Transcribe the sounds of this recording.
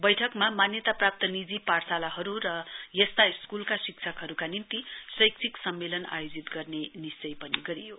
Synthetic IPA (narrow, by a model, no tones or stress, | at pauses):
bʌjʈʰʌkmamanjʌt̪aprap̚t̪ʌnid͡ziparsalaɦʌɾuɾʌjest̪aiskulkasikt͡sʰʌkɦʌɾukanint̪isʌjkt͡sʰiksʌmːelʌna̰jod͡zit̪ɡʌrnenist͡sʌjpʌniɡʌɾijo